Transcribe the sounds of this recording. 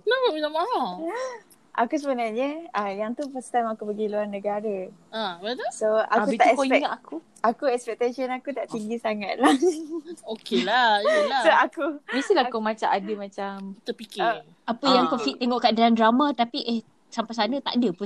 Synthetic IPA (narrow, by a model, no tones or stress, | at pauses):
labəmat͡ʃamːaɦa | ʔa̰kus̬əbənarɲəajaŋt̪upəst̪amakubəɡiluarnəɡaɾəabət̪usoa̰kuit̪aɛkiɛŋat̪aku | akuɛkspɛk̚t̪eʃənakut̪aʔt̪iŋɡisaŋat̪̚lahokelalaoakumest̪ilahkomat͡ʃaadəmat͡ʃamt̪əpikɪ | apəjaŋkofit̪ːeŋɔʔkaadalandɾamat̪apiʔeh | sampajs̬anət̪aʔdəpu